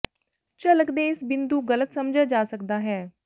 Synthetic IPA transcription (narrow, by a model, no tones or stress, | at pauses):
t͡ʃələkd̪eːɪsbɪnd̪uːɡələt̪səmd͡ʒaːd͡ʒaːsəkd̪aːɦɛː